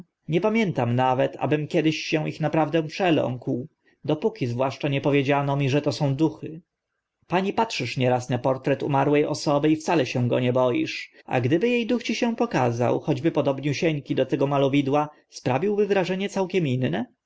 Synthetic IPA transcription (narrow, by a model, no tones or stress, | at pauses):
ɲɛpamʲjɛnt̪amnavɛt̪ʰa̰bɘmkʲjɛd̪ɘɕːɛ̃w̃ixnapɾavd̪ɛ̃pʂɛlɔ̰ŋkw | d̪ɔpukʲizvwaʂt͡ʂaɲɛpɔvʲjed͡ʑanɔmʲiʐɛt̪ɔsɔ̃w̃d̪uxɘ | paɲipatʂɘʂɲɛɾasnapɔɾt̪ɾɛt̪ṵmaɾwɛjʔɔ̰sɔbɘift̪salɛɕɛ̃ɡɔ̰ɲɛbɔjḭʂ | a̰ɡd̪ɘbɘjejd̪uxt͡ɕiɕɛ̃pɔkaza̰wxɔd͡ʑbɘpɔd̪ɔbɲuɕɛɲkʲid̪ɔt̪ɛɡɔmalɔvʲid̪wa | spɾavʲiwbɘvɾaʐɛɲɛt̪sawkʲɛminːɛ